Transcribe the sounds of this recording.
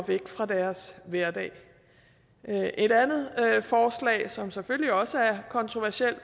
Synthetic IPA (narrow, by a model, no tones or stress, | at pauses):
ʋeɡ̥fʁɑ̈d̥æɐsʋæɐd̥ɛ̰ːɪ | ʔe̝dænð̞̩ˠfɒːslɛ̰ːɪsɒ̽mseføl̰liɒ̽səæɐkʰɒ̽nt͡sʰʁoʋæɐsiel̰